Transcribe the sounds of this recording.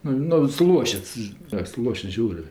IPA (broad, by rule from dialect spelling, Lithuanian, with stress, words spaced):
ˈnʊ nʊ sʊˈlˠuɔʃʲɪts ɐ sʊˈlˠuɔʃʲɪts ˈʒʲɛʊrʲeː